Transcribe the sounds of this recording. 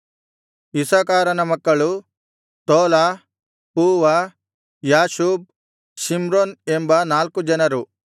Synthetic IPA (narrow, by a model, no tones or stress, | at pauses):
isaːkaːɾɐnɐmɐkːɐɭu | t̪oːlaː | puːʋa | jaːʃuːb̚ | simɾoːnembɐnaːlkud͡ʒɐnɐɾu